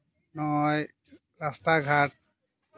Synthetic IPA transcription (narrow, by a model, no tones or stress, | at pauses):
nɔj | ɹast̪aɡʱat̚